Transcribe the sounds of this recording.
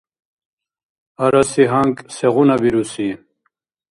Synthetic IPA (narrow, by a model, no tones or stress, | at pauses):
ɐɾasiɦaŋkseʁunabiɾusi